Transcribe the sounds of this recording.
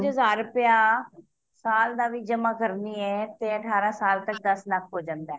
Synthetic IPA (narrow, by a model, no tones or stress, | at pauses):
d͡ʒɦəzaːɾəpjaː | saːld̪aːʋiːd͡ʒəmaːkəɾniːɛːt̪eːəʈʰaːɾãːsaːlt̪ək̚d̪əslakʰɦoːd͡ʒãːnd̪ɛː